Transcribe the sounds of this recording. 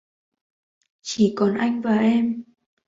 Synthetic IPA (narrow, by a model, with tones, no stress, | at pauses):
t͡ɕi˧˩˦kɔ˨˩nʔa˧jŋ̟vaː˨˩ʔɛ˧m